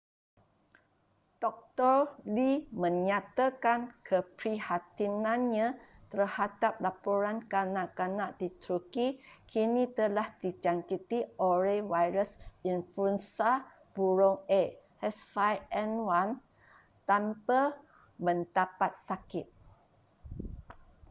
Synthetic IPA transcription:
d̥ɔk̚t̪ɔrlimə̃ɲat̪akankʰəpɾihat̪inãnɲãt̪ərhadap̚lapoɾankanãʔkanãʔdit̪ɾukikinĩt̪əlahdid͡ʒaŋkit̪iʔoɾewajɾəsinfuənsa | b̥uɾɔŋe | ɛsfajɛnwan | t̪ampə | mə̃nt̪apat̪̚sakɪt̪̚

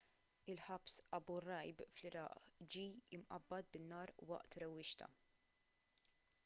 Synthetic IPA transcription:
ɪlħɐbsɐbʊrɐjbflɪɾɐ̰ːʔd͡ʒiːɪmʔɐ̰bːɐd̪̚bɪnːɐːɾwɐ̰ʔt̪ɾɛwːɪʃt̪ɐ̰

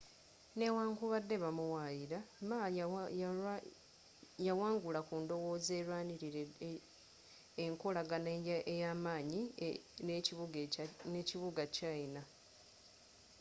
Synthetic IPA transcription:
ne̞waːŋkuβadːeβamuwajiɾama | jawaːŋɡulakuːndo̞wo̞ːze̞ːɾwaːniɾiɾe | eŋkolaɡanejaːmaːɲineuɡneciβuɡacaina

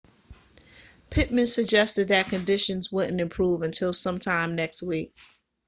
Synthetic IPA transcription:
pʰɪt̚mɨ̃nsɨɡ̚d͡ʒɛstɨd̪̚ðɨt̚kʰɨ̃ndɪʃɨ̃nzwʊʔⁿn̩ɨ̃mpʰɹ̥uvɨ̃ntʰɪlˠsʌ̃mtʰãɪ̃mnɛkst̚wik̚

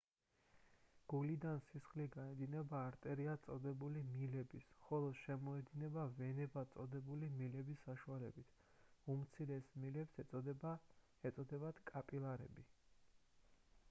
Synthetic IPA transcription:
ɡ̥ulid̪ansisχliɡaɛd̪inɛbaːɾt̪ʼɛɾiat̪sʼɔd̪ɛbulimilɛbisχɔlˠɔd̪̥ʃɛmɔɛd̪inɛbavɛnɛbat̪sʼɔd̪ɛbulimilɛbisːaʃualɛ̰bit̪ʰ | umt̪sʰiɾɛsmilɛpsɛ | ɛt̪sʼɔd̪ɛbad̪̥kʼapʼilˠaɾɛ̰bi

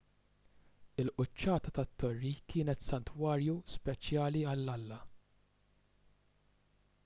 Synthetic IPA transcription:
ɪlʔʊt͡ʃːɐːt̪ɐt̪ɐt̪ːɔrːikʰɪːnɛt̪sɐnt̪wɐːɾjuspɛt͡ʃjɐːliɐlːɐlːɐ

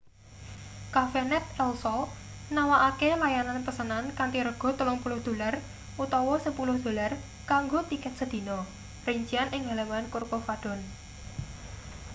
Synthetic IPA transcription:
kafenɛt̪̚ɛlsɔ | nawaʔakelajananpəsənankant̪iɾəɡ̥ɔ̤t̪ulɔŋpulʊhd̪̥o̤lar | ʔut̪ɔwɔsəpulʊhd̪̥o̤lar | kaŋɡot̪ikɛt̪̚səd̪̥i̤nɔ | riɲt͡ʃianʔɪŋalawankurkofaɖ̥ɔ̤n

